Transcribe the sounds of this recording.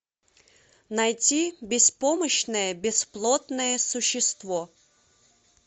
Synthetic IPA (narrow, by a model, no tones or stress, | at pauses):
nɐjtʲibʲɪspoməɕnəjəbʲɪsplˠot̪nəjəsʊɕːɪst̪vɔ